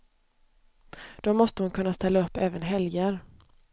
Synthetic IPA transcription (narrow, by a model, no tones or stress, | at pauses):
d̪̥ɔmɔst̪əhʊnkʰɵnːast̪ɛlːaɵpːɛːvənɦɛljaɾ